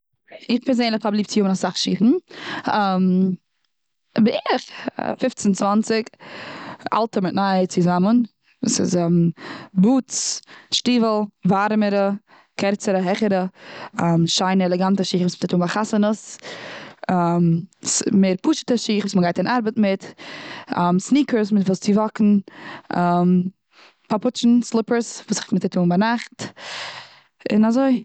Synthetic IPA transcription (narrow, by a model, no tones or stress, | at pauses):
ɪχpɛɾzeɪnlˠɪχabəlˠiːp̚t͡sɪjʊmənasaχʃiːtn̩ɛm | bɪʔɪχfɪft͡sənt͡svant͡sɪk | a̰lˠtəmɪtnaɪət͡sɪzamən | vṵːsɪ̰zɛmbuːt͡sʃtiːvl̩ˠvaɾməɾə | kɛɾt͡səɾəɦɛχəɾə | mʃaɪnəɛlˠɛɡantəʃiːχvuːsmɪttuːnbaχasənəs | mmeːɾpuːʃə̥təʃiːχvuːsməɡaɪtɪnʔaɾbətmɪtː | msniːkəsmɪfɪlˠst͡sɪvɔkn̩am | papʊt͡ʃn̩slˠɪpəsvuːsχmɪtatʰuːnbanaχt | ɪ̰nazoɪ